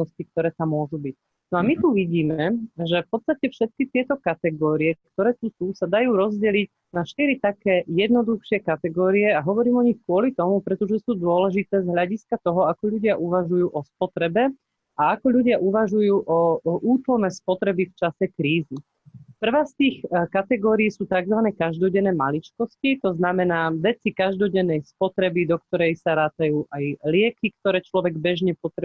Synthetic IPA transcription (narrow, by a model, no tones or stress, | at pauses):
ɔscik̚t̪ɔɾɛːt̪amːʊɔʒubic | nɔamit̪uʋiɟiːmɛʒɛfpɔt̪st̪acɛfʃɛt̪̚kit̪ɪɛt̪ɔkat̪ɛɡɔːɾiɛk̚t̪ɔɾɛːt̪usuːsad̪ajuːɾɔzɟɛliɟ | naʃt̪iɾit̪akɛːjɛd̪nɔd̪uxʃɪɛkat̪ɛɡɔːɾiɛaɦɔʋɔɾiːmɔɲixkʊɔlit̪ɔmupɾɛt̪ɔʒɛsuːd̪ʊɔlɛʒit̪ɛːzɦʎaɟiskat̪ɔɦɔakɔʎuɟɪaʔuʋaʒujuːʔɔspɔt̪ɾɛbɛ | aakɔʎuɟɪaʔuʋaʒujuːʔɔʔuːt̪lɔlnɛːspɔt̪ɾɛbift͡ʃasɛkɾiːzi | pr̩ʋaːst̪iːxkat̪ɛɡɔːɾijsuːt̪aɡzʋanɛːkaʒd̪ɔɟɛnːɛːmalit͡ʃkɔscit̪ɔznamɛnaːʋɛt͡sikaʒd̪ɔɟɛnːɛjspɔt̪ɾɛbid̪ɔkt̪ɔɾɛjsaɾaːt̪ajuːʔajlɪɛkikt̪ɔɾɛːt͡ʃlɔʋɛɡbɛʒɲɛpɔt̪ɾɛ